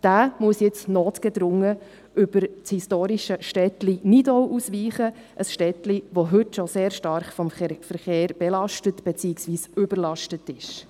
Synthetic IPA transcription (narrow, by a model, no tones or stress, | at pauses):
d̥æːmuəsjɪt͡snoːtɡ̥ɛd̥̪ɾʊŋːə | ʔʏb̥əɾhistoːɾiʃəʃtɛtlinidɔʊʔusʋiːχə | ʔəsʃtɛtliʋoɦʏtʃɔseːɾʃtɑɾχfɔmfəɾχeːɾb̥ɛlɑʃtətb̥ɛt͡siːɪksʋiːsʏbəɾlɑʃtətɪʃ